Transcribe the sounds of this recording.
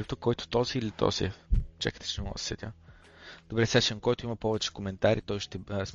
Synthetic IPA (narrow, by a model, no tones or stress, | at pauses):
ipt̪okːɔjt̪ʊ̥t̪ɔziːlit̪ɔ̰z̥ḭɛt͡ʃa̰kə̥t̪ɛ̥t͡ʃɛnɛmɔ̰̥sɛd̪ʲa | d̪̥obɾɛsɛʃɛmkɔjt̪ʊimɐpɔvɛt͡ʃɛ̥komɛnt̪aɾʔit̪ɔjʃt̪ɛɾɐzm